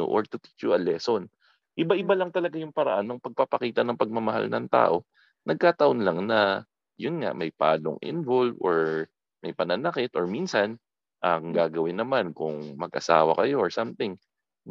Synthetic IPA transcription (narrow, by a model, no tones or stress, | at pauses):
o̰ʔoɹt̪ʊt̪i̥t͡ʃjʊʔɐlɛːson | ʔɪbaʔɪbalɐŋt̪ɐlɐɡajʊŋpɐɾɐʔanːɐŋpɐɡ̚papɐkiːt̪ɐnɐŋpɐɡ̚mɐmɐɦa̰lnɐ̰ŋt̪a̰ːʔo̞ | nɐɡ̚kaːt̪ɐʔonlaŋnɐ | jʊnŋa̰mɐjpa̰ːlo̰ŋʔɪ̰nvolvʔoɹ | mɐjpɐnɐnɐkɪt̪ʔoɹminsɐn | ʔɐŋɡaːɡɐwɪnːɐmankʊŋmɐɡʔɐ̰sa̰ːwɐ̰kɐjo̞ʔoɹsamt̪ɪŋ